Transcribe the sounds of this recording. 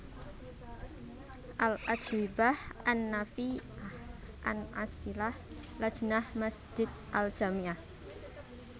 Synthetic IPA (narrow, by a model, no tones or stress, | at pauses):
ʔalʔad͡ʒwibahanːafiahʔa̰nʔa̰silah | lḁʒ̥ənahmasd͡ʒ̥ɪd̪̚ʔald͡ʒ̥amiah